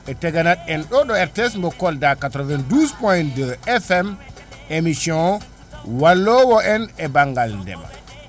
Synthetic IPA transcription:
ʔɛtɛɡanaɗɛnɗɔɗɔɛɾtɛsmbɔkɔldakatɾɔvɛnduspɔjndəɛfɛm | emisiɔ̃ | walːɔwɔɛnɛbaŋɡalndɛ̰ɓa̰

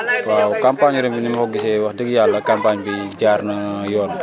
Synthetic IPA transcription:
waukampaɲɔɾɛmpinimɦɔɡisewahdəɡijalakampaɲpid͡ʒarnəjɔl

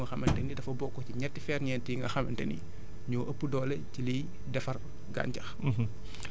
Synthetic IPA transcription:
ŋɡɐxɐmɛntɛnidɐfɐbɔkːɔciɲɛtːifɛːrɲɛːntiŋɡɐ̰xɐmɛ̰ntɛ̰nḭ | ɲɔːʔɐpːədɔːlɛcilij | dɛfɐr | ɡa̰ːɲcɐx

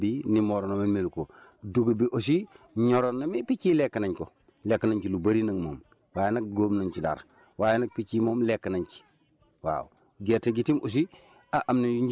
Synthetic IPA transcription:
binimoɾonomimilkoduɡbiʔos̬i | ɲoɾonːamipit͡ʃilekːanaɲko | lekːanaɲkilubɐɾinaŋmo̰ːm | waːjenak̚ɡoːmnaɲt͡ʃida̰ɾ | waːjenak̚pit͡ʃimoːmlekːɐnaɲki̥ | wa̰ːwu | ɡetːeɡitimʔos̬i | aʔamnijuɲd͡ʒ

